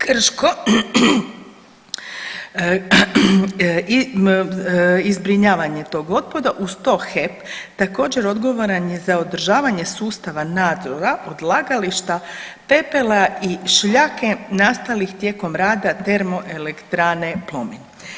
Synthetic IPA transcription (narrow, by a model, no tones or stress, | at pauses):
kr̩ʃko | izbɾiɲaːʋaɲe̞t̪o̞ːɡo̞t̪̚pod̪aʔust̪o̞xept̪ako̞ːd͡ʑe̞ɾo̞d̪ɡo̞ʋoɾanje̞zaod̪r̩ʒaːʋaɲe̞suːst̪aʋanaːd̪zo̞ɾaʔod̪laːɡaliʃt̪a | pe̞pelaiʃʎaːke̞nast̪alixt̪je̞ːko̞mɾaːd̪at̪e̞ɾmo̞ʔe̞lekt̪ɾaːne̞plˠo̞min